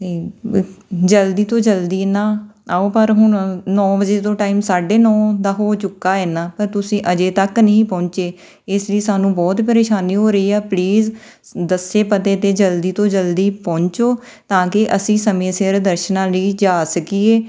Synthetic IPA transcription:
t̪eː | d͡ʒəld̪iːt̪õːd͡ʒəld̪iːnaːaːoːpəɾɦʊnnɔ̃ːbəd͡ʒeːt̪õːʈaːiːmsaːɖeːnɔ̃ːd̪aːɦoːt͡ʃʊkːaːɛːnãːpəɾt̪ʊsĩːʔəd͡ʒeːt̪əknəɦĩːpɔ̃ːɲt͡ʃeː | ɪsliːsaːnũːbɔːt̪pəɾeːʃaːniːɦoːɾəiːɛːpliːz | d̪əseːpət̪eːt̪eːd͡ʒəld̪iːt̪õːd͡ʒəld̪iːpɔ̃ːɲt͡ʃoː | t̪ãːkɪʔəsĩːsəmẽːsɪɾd̪əɾʃnãːliːd͡ʒaːsəkiːeː

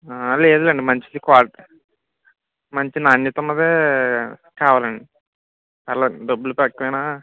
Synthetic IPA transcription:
aːle̞ːd̪ulɐɳɖimɐɲt͡ʃid̪ikaːʈ | mɐɲt͡ʃinaːnjit̪unːɐd̪eː | kaːʋaːlɐɳɖi | pɛlːɐɖ̪ɐbːulupɐkːɐʋɐjnaː

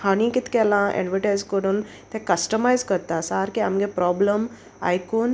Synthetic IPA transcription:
haɽ̃ĩkit̪kɛlãʔḛɳʋiʈajzkəɽun | t̪ʰẽkəsʈəmajzkəɾt̪asaɾkiamɡepɾɔbləm | a̰jkuːn

